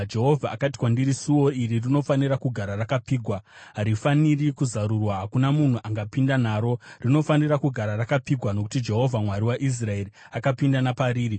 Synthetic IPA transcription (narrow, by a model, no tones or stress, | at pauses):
d͡ʒe̞ɦo̞vʱaːkatikwandiɾisuwo̞iririno̞faniɾakuɡʱaɾarakapiːɡʱwa | ɦaɾifanirikuzaɾurwaɦakunamun̤uʔaŋɡapindan̤aːɾo̞rino̞faniɾakuɡʱaɾarakapiɡʱwano̞k̬u̥tid͡ʒe̞ɦo̞vʱamwaɾiwaʔis̬rae̞ri | akapindanapaɾiːɾi